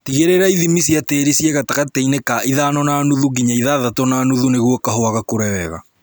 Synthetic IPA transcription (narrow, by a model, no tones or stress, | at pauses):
tiɣeɾeɾaiðimisiateːɾisiɛɣataɣatɛinekaʔiðaːnɔnaːnuðuɡiɲaiðaðatɔnaːnuðuneɣwɔkaɦoaɣakoɾɛwɛɣa̰